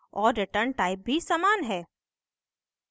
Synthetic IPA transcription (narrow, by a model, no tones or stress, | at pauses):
ɔːɾːɪʈəɾɳʈaːɪp̚bʱisaːmaːnɦɛː